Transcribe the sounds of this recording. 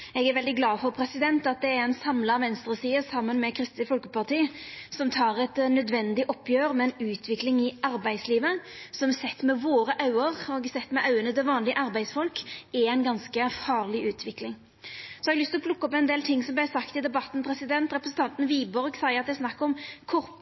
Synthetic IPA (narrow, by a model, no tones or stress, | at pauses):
ɛɡæɾʋɛld̪ɪɡlɑːfɔɾpʰɾɛsɪd̪ɛnt̪ɑt̪̚d̪ɛæɾɛɪnsɑmlɑɑʋɛnst̪ɾəsiːəsɑmːənmɛkʰɾɪst̪ɪfɔlkəpɑʁt̪ʰiːsɔmt̪ʰɑːɾɛt̪nœd̪ʋɛnd̪ɪʔɔpʰːjøːɾmɛɛɪnʉːt̪ʰʋɪklɪŋɪɑɾbæɪd̪sliːʋəsɔmɛsɛt̪ːmɛʋoːɾəʔɑʉəʁɔɡsɛt̪ːmɛʔɑʉənət̪ɪʋɑːnlɪəʔɑɾbæɪsfɔlkɛæɪnɡɑnskəfɑːʁlɪʔʉːt̪ʰʋɪklɪŋ | sɔɛɑɡlʏst̪lɔpʰlʊkːɔpɛɪnd̪eːlt̪ʰɪŋːsɔmblæɪsɑkt̪ɪd̪ɛbɑt̪ːn̩pʰɾɛsɪd̪ɛnt̪ɾɛpɾəsn̩t̪ʰɑnt̪n̩ʋiːbɔʁɡsæɪəɑt̪̚d̪ɛæsnɑkːɔmkʰʊɾ